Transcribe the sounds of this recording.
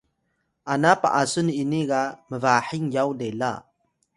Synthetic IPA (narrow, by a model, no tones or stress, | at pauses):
ʔanapa̰ʔasuniniɡaməvaħiŋjawdela